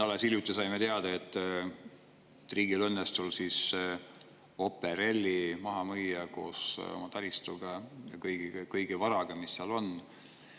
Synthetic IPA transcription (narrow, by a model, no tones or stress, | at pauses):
t̪ɑlesiljut̪ːˑisɑjmet̪e̞ɑd̪̥ɑe̞t̪ːˑ | t̪riːɡilɤnːest̪ulsis | o̞pːeɾelʲːimɑɦɑmɤjːɑko̞̰ːso̞̰mɑt̪ɑɾist̪uɡ̥ɑjɑ̰kɤjɡ̥ikɤjɡ̥ivɑɾɑɡ̥ɑmisːeɑlo̞n